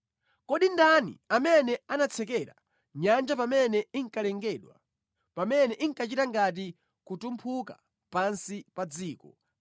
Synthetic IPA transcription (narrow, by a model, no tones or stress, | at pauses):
kɔɗindanḭamɛnɛanat͡sʰɛk̬ɛɾa | ɲand͡ʒapamɛnɛiŋkalɛŋɡɛɗwa̰ | pamɛnɛʔiŋkat͡ʃitaŋɡat̬i | kutumpʰuka̰ | pansipad͡ziːkɔ